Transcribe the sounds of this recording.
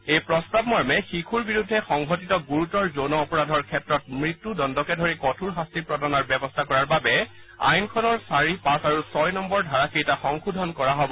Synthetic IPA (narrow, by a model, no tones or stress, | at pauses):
ejpɹɔstabmɔɹmɛxikʰuɹbiɹudʱːɛxɔŋɡʱotitɔɡuɹutɔɹzonɔːpɔɹadʱɔɹkʰɛtɹɔtmɹitːudɔndɔkɛdʱoɹikɔtʰuɹɦastipɹɔdanaɹbɛbɔstʰakɔɹaɹbabɛ | a̰jnkʰɔnɔɹsaɹipãsaɹusɔjnɔmbɔɹdʱaɹakijtaxɔŋxudʱɔnkɔɹaɦɔbɔ